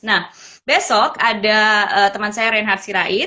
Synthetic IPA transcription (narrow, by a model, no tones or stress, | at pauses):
nah | besɔkadaəːt̪əmansajaɾanɦarsiɾaʔɪ